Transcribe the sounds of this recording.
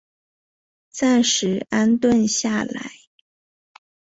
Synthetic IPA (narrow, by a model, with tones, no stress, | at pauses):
t͡sa˥˩nʂɻ̩˧˥a˥nt̪wə˥˧nɕja˥˩la̰˧˥˦ɪ